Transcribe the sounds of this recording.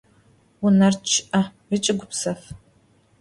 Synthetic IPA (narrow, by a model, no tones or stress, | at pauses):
wʊnɐrt͡ʃʰʔɐrɨt͡ʃʼɪɡʷʊpsɐf